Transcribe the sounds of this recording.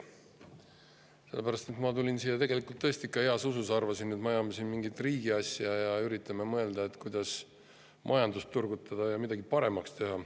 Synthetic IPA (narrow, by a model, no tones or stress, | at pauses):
se̞lːepæɾɑst̪et̪mɑt̪ulʲinsijːɑt̪e̞ɡe̞likːˑult̪ːɤsʲt̪ikːˑɑeɑsususɑrvɑsinːet̪mɑjɑːmesinmiŋɡit̪ˑriːɡ̥iɑsʲjɑjɑyɾit̪ːˑɑmemɤe̞ld̪̥ɑe̞t̪kujd̪̥ɑs | mʔɑ̰jɑnd̪ust̪ːurɡ̥ut̪ːˑɑd̪̥ɑjɑmid̪̥ɑɡipɑɾe̞mɑkst̪e̞ɦɑ